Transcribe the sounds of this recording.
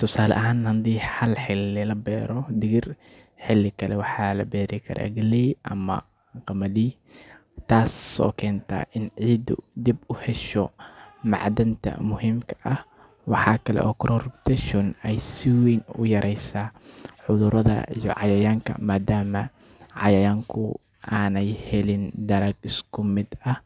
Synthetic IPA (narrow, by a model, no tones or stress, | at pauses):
t̪ʰʊsaːlɐ̰ʔɦaːnhɐnd̪iːhɐlħɪlːɪlɐbɛːɾɔd̪ɪɣɪr | ħɪlːɪkʰɐlɛwɑħɑːlɐ̰bɛːɾɪkʰɐ̰ɾa̰ːɡɐlɛjʔɐmɐ̰ | qɑmɐdiː | t̪ʰaːsɔ̰ːkʰɛːnt̪ʰɐ̰ʔɪnʕiːd̪ʊ̰d̪ibʊhɛʃɔmɑ̰ʕd̪ɐnt̪ʰɐ̰mʊhimkʰɐ̥ʔɐh | wɑħɑːkʰɐlɛ̰ʔɔːkʰɾʔɔrbt̪ʰɛʃʊnɛjsɪwɛjnʊ̰jɐɾʔɛjsaħʊðʊɾɐðɐ̰ijɔ̰ʕɑjɐjaːŋkʰɐ̰maːd̪aːmɐ | ʕɑ̰jɐjaːŋkʰʊ | ʔaːnɛjhɛlɪnd̪ɐɾɐɡɪskʰʊmɪd̪ɐh